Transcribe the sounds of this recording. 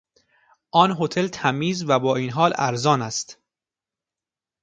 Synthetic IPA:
ʔɒːnɦot̪ʰe̞lt̪ʰæmiːzvæbɒːiːnɦɒːlæ̰ɾzɒːnæst̪

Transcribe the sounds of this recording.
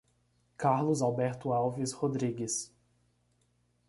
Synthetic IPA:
kaɾlʊzawbɛɾt̪ʊawvɪshod̪ɾiɡɪs

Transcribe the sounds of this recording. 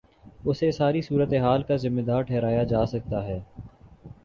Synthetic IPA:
ʊsesaːɾisuːɾət̪eɦaːlkazɪmːed̪aːɾʈʰɛːɾaːjad͡ʒaːsɐk̚t̪aɦɛː

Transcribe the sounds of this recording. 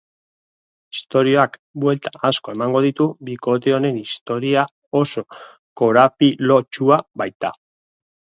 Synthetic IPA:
i̥st̪o̞ɾio̞akbwe̞lt̪aasko̞e̞maŋɡo̞ð̞it̪uβiko̞t̪̬e̞o̞ne̞nist̪o̞ɾia | o̞so̞ | ko̞ɾapilo̞t͡ʃuaβajt̪a

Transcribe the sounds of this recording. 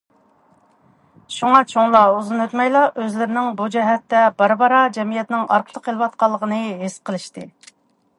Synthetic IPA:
ʃuŋɑt͡ʃʰoŋlˠɑuzɨnøt̪mɛjlˠɑʔøzlɪɾɪnɪŋbud͡ʒɛɦɛt̪ːɛbɑɾbɑɾɑd͡ʒɛmijɛt̪nɪŋɑ̰ɾqʰəlˠəqʰːəlˠɨwɑt̪̚qɑlˠːəʁənɨɦɪsqʰəlˠɨʃt̪ɨ

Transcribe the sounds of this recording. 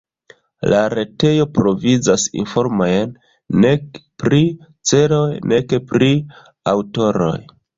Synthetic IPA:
laɾe̞te̞jo̞pɾo̞vizasḭnfo̞ɾmojenː | e̞kpɾi | t͡se̞ɾo̞jne̞kepɾi | awto̞ɾo̞̰j

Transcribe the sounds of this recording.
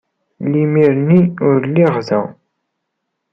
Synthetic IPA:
limiɾənːiʊɾlːiʁðæ̰

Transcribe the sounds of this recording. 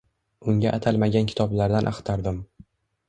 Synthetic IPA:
ʊŋɡʲaʔːt̪ʰalˠmaɡʲankʲʰɪ̥t̪ʰɒblaɾd̪anʔa̰χt̪ʰaɾd̪ɪm

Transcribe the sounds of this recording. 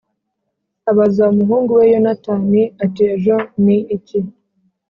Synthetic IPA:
aβazaumuɦuːŋɡuwejonataːniatieʒo̞niːci

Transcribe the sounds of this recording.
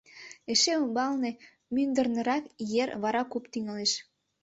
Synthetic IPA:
eʃeumbɑlne | mynd̪ə̆rnə̆ɾɑkjerβɑɾɑkopt̪yŋɑleʃ

